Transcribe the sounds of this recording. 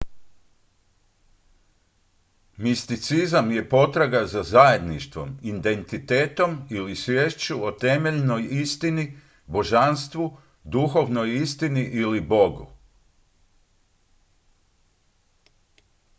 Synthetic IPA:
mist̪it̪sizamje̞po̞t̪ɾaɡazazaje̞d̪niʃt̪ʋo̞̰mind̪e̞nt̪it̪e̞ːt̪o̞milisʋʲjeːʃt͡ɕuot̪e̞me̞ʎno̞jist̪ini | bo̞ʒanst̪ʋu | d̪uxo̞ʋno̞jist̪iniʔilibo̞ɡṵ

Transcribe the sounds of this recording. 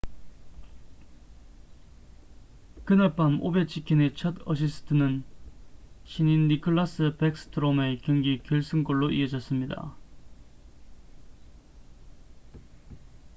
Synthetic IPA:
kɯnap͈amobe̞t͡ɕ͈ʰikʰinet͡ɕʰʌdʌ̰ɕ̬ʰisʰɯ̥tʰɯnɯn | ɕʰininːikʰoɭːas͈ɯpek̚s͈ʰɯ̥tʰɯɾome̞kjʌŋɡikjʌɭs͈ɯnkoɭːoʔḭʌd͡ʑʌs͈ɯmɲida̰

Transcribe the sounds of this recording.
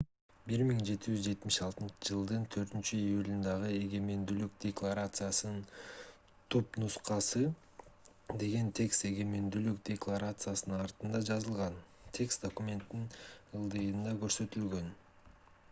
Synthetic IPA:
biɾmiŋd͡ʒe̞t̪id͡ʒyzd͡ʒe̞t̪mɪʃɑlˠt̪ɯnt͡ʃɯd͡ʒɯlˠd̪ɯnt̪ʰø̞ɾt̪ynt͡ʃyijulʲind̪ɑʁɯe̞ɡe̞me̞nd̪ylyk̚d̪ʲeklˠaɾat̪sɨjasɯnn | t̪ʰopnusqɑsɯ | d̪e̞ɡe̞nt̪ʲʰe̞kst̪e̞ɡe̞me̞nd̪ylykd̪ʲeklˠaɾat̪sɨjasɯnnɑɾt̪ɯnd̪ɑd͡ʒɑzɯlˠʁɑn | t̪ʰe̞kst̪d̪okumʲe̞nt̪ːinɯlˠd̪ɯjɯnd̪ɑkø̞ɾsø̞t̪ylɡø̞n

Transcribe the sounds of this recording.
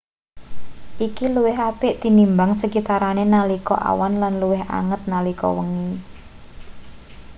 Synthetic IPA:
ʔikiluwɪɦapɪʔt̪inimbaŋsəkit̪aɾanenalikɔ̰ʔa̰wanlanluwɪɦa̰ŋət̪̚nalikɔ̰wəŋi

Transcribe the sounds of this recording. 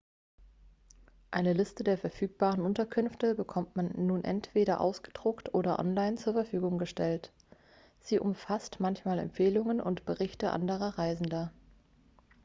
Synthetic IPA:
ʔaɪnəlɪstədeːɐfɛɐfyːk̚b̥aːʁənʔʊntɐkʰʏnftəbəkʰɔmtmanːuːnʔɛ̰ntv̥eːɾɐʔa̰ʊsɡ̥ə̥d̥ʁʊktʔoːɾɐʔɔ̰nlaɪnt͡suːɐfɛɐfyːɡʊŋɡəʃtɛlt | z̥iːʔʊmfastmançmaːlɛ̰mpfeːlʊŋənʊ̰ntb̥əʁɪçtəʔa̰ndəʁɐʁaɪzn̩dɐ

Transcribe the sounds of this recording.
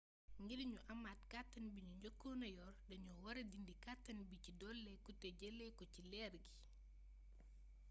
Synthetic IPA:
ŋɡidɲuʔɐmatkatːɐnbiɲuɲɟɔkːɔnɐjɔrdɐɲuwɐɾɐdindikatːɐnbicidɔlːɛkutɛɟɛlɛkɔcilɛrɡi

